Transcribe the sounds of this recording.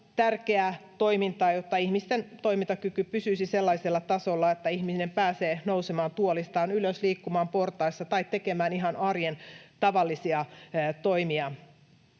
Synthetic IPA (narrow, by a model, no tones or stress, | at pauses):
t̪ærkeæt̪oimint̪ɑːjot̪ːɑihmist̪ent̪oimint̪ɑkykypysysiselːɑiselːɑt̪ɑsolːɑet̪ːæihminempæːseːnousemɑːnt̪uolist̪ɑːnyløsliːkːumɑːmport̪ɑisːɑt̪ɑit̪ekemæːniɦɑnɑrjent̪ɑʋɑlːisiɑt̪oimiɑ